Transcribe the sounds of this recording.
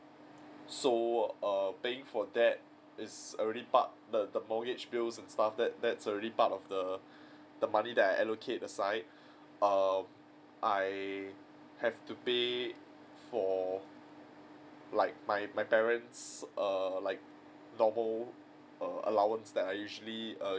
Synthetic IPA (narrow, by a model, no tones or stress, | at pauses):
soʌpeɪ̃ŋfɔdɛt̚ | ɪsəɹɛɾipa̰t̚dədəmɔɡɪt͡ʃbilsɛ̃nstafdɛt̚dɛtsəɹɛdipatɔfdə | d̥əmanidɛtajʔɛlokʰet̚əsaɪt̚ | ʔʌm | ʔaɪ | hɛvtupe | fɔ | laɪk̚maɪmajpɛɹə̃ntsʔʌlaɪk̚ | nɔməl | ʌə̰lawə̃nsdɛtajjuʒəliʌ